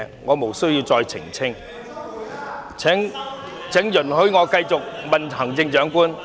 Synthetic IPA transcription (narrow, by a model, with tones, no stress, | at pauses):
ŋːɔː˨˧mo˨˩wsɵ˥ɥji˧wt͡sɔː˧jt͡sʰɪ̰˨˩ŋt͡sʰɪ˥ŋ | t͡sʰɛ˨˥ŋ | t͡sʰɛ˨˥ŋjɵ˨˩nhɵ˨˥ɥŋɔː˨˧kɐ˧jt͡sʊ˨k̚mɐ˨nhʰɐ˨˩ŋt͡sɪ˧ŋt͡ʃœː˨˥ŋkuː˥n